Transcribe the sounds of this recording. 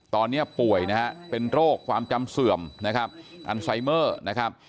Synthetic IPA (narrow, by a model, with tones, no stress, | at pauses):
t̪ɔː˧nːi˦˥ɐpu˨˩əjna˦˥ha˦˥ʔpe˧nɾoː˥˩kʰːwaː˧mt͡ɕa˧msɯ˨˩əmna˦˥kʰa˦˥p̚ʔa̰˧nsa˧jmɤː˥˩na˦˥kʰa˦˥p̚